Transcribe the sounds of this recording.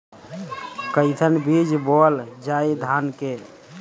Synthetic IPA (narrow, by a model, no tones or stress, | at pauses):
kəɪt̪ʰənbid͡ʒbold͡ʒaid̪ʱanke